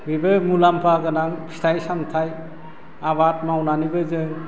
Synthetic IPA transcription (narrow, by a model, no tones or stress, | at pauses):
bibɯmulampʰaɡɯnaŋʰstʰajsamtʰaj | aβat̚mawnanibɯzɯŋ